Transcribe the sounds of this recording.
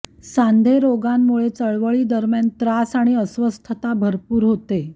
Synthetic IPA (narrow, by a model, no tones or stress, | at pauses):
sand̪ʱeɾoɡamːuɭet͡səɭʋəɭiːd̪əɾmjant̪ɾasaɽ̃iəsʋəst̪ʰət̪abʱəɾpuːɾɦot̪e